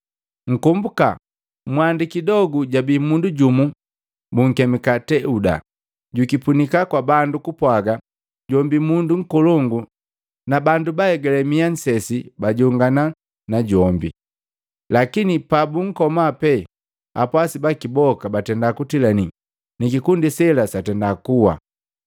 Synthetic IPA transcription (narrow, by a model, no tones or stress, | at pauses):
ŋ̩kumbuka̰ | mwandikidɔɡuɟabimunduɟumu | buŋ̩kɛmikatɛuda̰ | ɟukipunikakwabandukupwaɡa | ɟɔmbimunduŋ̩kɔlɔŋɡu | nabandubahɛɡɛlɛmian̩sɛsibaɟɔŋɡana | naɟɔmbḭ | lakinipabuŋ̩kɔmapɛ | a̰pwasibakibɔkabatɛndakutilani | nikikundisɛlasatɛndakuwa̰